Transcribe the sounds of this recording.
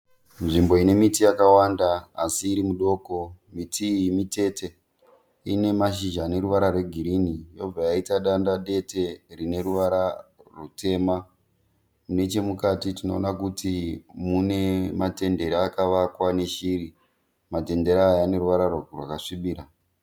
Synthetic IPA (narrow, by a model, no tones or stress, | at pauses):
nʐimbo̞ine̞mitijakawandaasiːɾimuɗo̞ːko̞ | mitʰimite̞te̞ | ḭne̞maʃ̬iʒaːne̞ɾuʋaɾarwe̞ɡʱiɾinijo̞b͡vajaitaɗandaɗe̞te̞rine̞ɾuʋaɾarute̞ːma | mune̞t͡ʃe̞mukatitino̞ːnakutimune̞mate̞nde̞ɾiakaʋakwane̞ʃiri | mate̞nde̞ɾaːjane̞ruʋaɾarrwakaʂiɓiːɾa